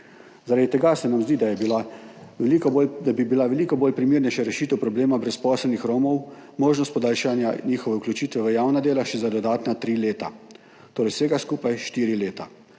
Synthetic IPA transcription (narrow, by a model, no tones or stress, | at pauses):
zaɾad̪it̪ɛɡasɛnamzd̪iːd̪ajɛbila | bibilaʋɛlikɔboːlpɾimiːɾnɛjʃaɾɛʃiːt̪ɛwpɾɔbleːmabɾɛspɔːsɛlnixɾoːmɔwmoːʒnɔst̪pɔd̪aːlʃanja̰niːxɔʋɛuklut͡ʃit̪ʋɛʋəjaːwnad̪eːlaʃɛzad̪ɔd̪aːt̪nat̪ɾileːt̪a | t̪oːɾɛjsʋeːɡaskuːpajʃt̪iːɾileːt̪a